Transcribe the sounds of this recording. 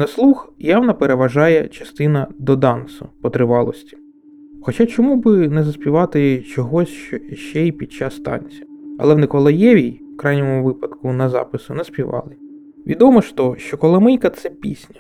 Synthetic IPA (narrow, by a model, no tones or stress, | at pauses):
nɐslˠuxjɑwnɐpeɾeʋɐʒɑjɛt͡ʃɐst̪ɪnɐd̪ɔd̪ɑnsʊ̰pɔt̪ɾɪʋɑlˠɔ̰sʲtʲi̥ | xɔt͡ʃɑt͡ʃɔmubɪnɛzɐsʲpʲiʋɑt̪ɪt͡ʃɔɦɔsʲʃt͡ʃɔʃt͡ʃɛipʲid̪̚t͡ʃɑsːt̪ɑ̰nʲt͡sʲɐ̰lˠɛwnɪkɔlˠɐjɛʋʲijwkɾɑjnʲɔmʊʋɪpɐd̪kʊnɐzɑ̰pɪsʊnɐspʲiʋɑ̰lˠɪ | ʋʲid̪ɔmɔʃt̪ɔʃt͡ʃɔkɔlˠɐmɪjkɐt̪sɛpʲḭsʲnʲɐ̥